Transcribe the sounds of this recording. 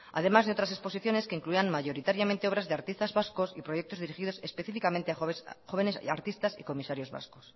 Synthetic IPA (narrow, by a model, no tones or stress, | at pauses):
a̰ð̞e̞mazðeo̞t̪ɾas̬e̞spo̞siθjo̞ne̞ske̞iŋkluianmaʝo̞ɾit̪aɾjamẽnt̪eo̞βɾazðeaɾt̪ist̪azβasko̞sḭpɾo̞jek̚t̪o̞zðiɾixiðo̞sespe̞θifikament̪e̞axo̞βe̞nesaɾt̪ist̪asḭko̞misaɾjo̞zβa̰sko̞s